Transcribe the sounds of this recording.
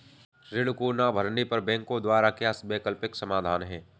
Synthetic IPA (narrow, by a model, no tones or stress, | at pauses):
ɾɪɽkunabʱɐɾnipɐɾbɛ̃ːŋkõd̪waːɾakeasbeːkəlpɪksɐmaːd̪ʱaːnɦɛ̃ː